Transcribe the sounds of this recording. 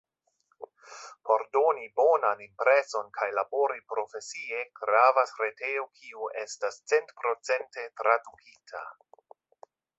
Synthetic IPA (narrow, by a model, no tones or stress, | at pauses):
pʰo̞ɾdo̞nibo̞nanimpɾe̞so̞nkʰajlabo̞ɾipɾo̞fe̞sie̞ɡ̥ɾavasɾeteokʰiuʔe̞stast͡sentpɾo̞t͡se̞nte̞tɾadukʰitʰa̰